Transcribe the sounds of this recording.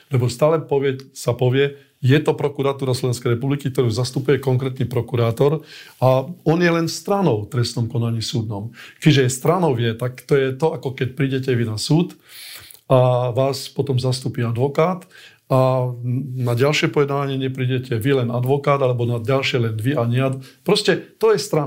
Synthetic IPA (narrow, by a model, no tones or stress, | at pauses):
lɛbɔst̪aːlɛpɔʋjɛsapɔʋɪɛ | jɛt̪ɔpɾɔkuɾat̪uːɾaslɔʋɛnskɛjɾɛpublikik̚t̪ɔɾuzast̪upujɛkɔŋkɾɛt̪nipɾɔkuɾaːt̪ɔɾaɔnjɛlɛnst̪ɾanɔʊt̪ɾɛst̪ɔmkɔnaɲiːsuːd̪nɔmkɛʒɛɛst̪ɾanɔʊʋjɛt̪akt̪ɔjɛt̪ɔakɔkɛc̚pɾiːɟɛcɛʋinasuːt̪ | aʋaːspɔt̪ɔmzast̪upiad̪ʋɔkaːt̪ | a | naɟalʃɪɛpɔjɛd̪naːʋaɲɪɛɲɪɛpɾiːɟɛcʰɛʋilɛnad̪ʋɔkaːd̪alɛbɔnaɟalʃɪɛlɛnʋiaɲɛad̪pɾɔscɛt̪ɔjɛst̪ɾa